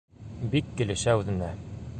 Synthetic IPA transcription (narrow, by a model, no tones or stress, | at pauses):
bikːɘ̆lɘ̆ʃæʉðɘ̆næ